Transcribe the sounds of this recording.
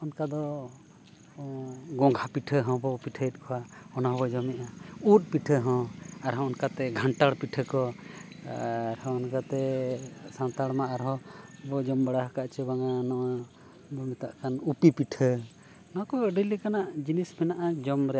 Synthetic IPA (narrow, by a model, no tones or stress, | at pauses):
ɔnkad̪ɔ | ɡɔ̃ŋɡʱʰapiʈʰəɦɔ̃bɔpiʈʰəjt̪̚ˀkʰɔwaɔnaɦɔbɔd͡ʒɔmɛʔaut̪̚ˀpiʈʰəɦɔ̃aɾɦɔ̃ɔnkat̪ɛɡʱaɳʈaɽpiʈʰəkɔ | ɾhɔ̃ɔnkat̪ɛsant̪aɽmaʔaɾɦɔ̃bɔd͡ʒɔmbaɽaɦkaʔt͡ʃəbaŋanɔʔa | bɔmit̪aʔkanupipiʈʰə | nɔ̃kɔɖilikanaʔd͡ʒinismɛnaʔad͡ʒɔmɾɛa